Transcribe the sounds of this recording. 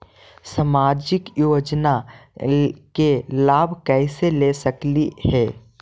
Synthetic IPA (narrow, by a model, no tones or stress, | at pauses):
səmaːd͡ʒɪkjoːd͡ʒna | kelaːbʱkɛːselesəklihɛː